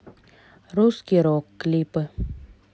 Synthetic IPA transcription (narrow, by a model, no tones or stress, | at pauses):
ruskʲiɾokːlʲipɨ